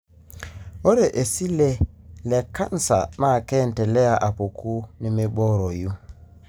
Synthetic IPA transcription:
o˦ɾe˨ʔe˨si˦le˦le˨ka˦n˦sa̰˨ma˦˨kɛ˦˨ntɛ˨lɛ˦a˨ʔa˨po˨kʰu˦ni˦me˦bɔ˦ɾo˨ju˦

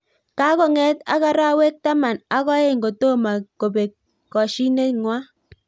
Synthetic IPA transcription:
ka˦kɔ˨ŋɛ˦ta̰˦ka˦ɾa˦we˦k̚ta˦ma˨na˦kɔ˦e˦ŋɡo˨to˦ma˨ko˨be˨kː | ɔ˨ʃi˦ne˦ŋwa˦

